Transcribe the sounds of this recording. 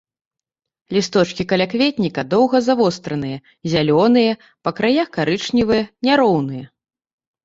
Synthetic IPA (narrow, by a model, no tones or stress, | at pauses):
lʲist̪ɔt͡ʂkʲikɐlʲakvʲet̪ʲnʲikɐd̪ɔwɣɐzavɔst̪ɾɐnɨjɐ | zʲalʲɔnɨjɐ | pɐkɾajaxkaɾɨt͡ʂnʲivɨjɐnʲaɾɔwnɨjɐ